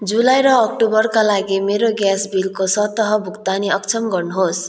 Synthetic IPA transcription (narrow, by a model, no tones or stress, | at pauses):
d͡zulajɾʌːk̚ʈobʌrkalaɡimeɾoɡjasbilkosʌt̪ʌɦʌbʱukt̪aniʌkt͡sʰʌmɡʌrnuɦos